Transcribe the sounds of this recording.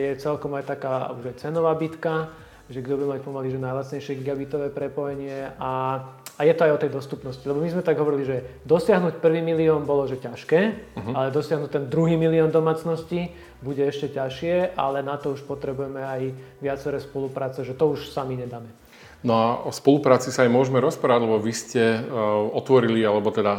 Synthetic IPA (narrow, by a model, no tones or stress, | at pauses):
jɛt͡sɛlkɔmajt̪akaːuʒajt͡sɛnɔʋaːbit̪ka | ʒɛɡd̪ɔbuɟɛmac̚pɔmaliʒɛnajlat͡sɲɛjʃɪɛɡiɡabit̪ɔʋɛːpɾɛpɔjɛɲɪɛʔaajɛt̪ɔajɔt̪ɛjd̪ɔst̪upnɔscilɛbɔmizmɛt̪aɡɦɔʋɔɾiliʒɛd̪ɔsɪaɦnucpr̩ʋiːmiliɔnbɔlɔʒɛcaʃkɛːɦalɛd̪ɔsɪaɦnuct̪ɛnd̪ɾuɦiːmiliɔnd̪ɔmaːt͡snɔsci | buɟɛɛʃcɛcaʃɪɛʔa̰lɛnat̪ɔuʃpɔt̪ɾɛbujɛmɛajʋɪat͡sɛɾɛːspɔlupɾaːt͡sɛʒɛt̪ɔuʃsamiɲɛd̪aːmɛ | nɔaɔspɔlupɾaːt͡sisaːjmʊɔʒmɛɾɔspɾaːʋaɟlɛbɔʋiscɛɔt̪ʋɔɾilialɛbɔt̪ɛd̪a